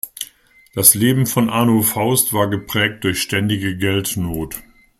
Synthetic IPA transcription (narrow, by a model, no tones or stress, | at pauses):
d̥asleːbm̩fɔnʔaːnofaʊstv̥aːɐɡəpʁ̥ɛːk̚t̚d̥ʊɐçʃtɛndɪɡəɡɛltnoːt